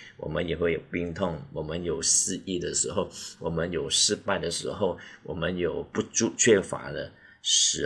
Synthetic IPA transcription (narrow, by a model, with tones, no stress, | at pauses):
wɔ̰˨˩mə˦njɛ˨˩xwe˥˩ɪjo˨˩ʊpi˥ŋt̪ʰʊ˥˩ŋwɔ˨˩mə˦njo˨˩ʊsɹ̩˥˧i˥˩d̪ə˨ʂɻ̩˧˥xo˥˩ʊwɔ˨˩mə˦njo˨˩ʊʂɻ̩˥˧pa˥˩ɪd̪ə˩ʂɻ̩˧˥xo˥˧˩ʊwɔ˨˩mə˦njo˨˩ʊpu˥˧ʈ͡ʂu˥˧t͡ɕʰɥɛ˥˩fa̰˧˥d̪ə̰˧ | ʂɻ̩˧˥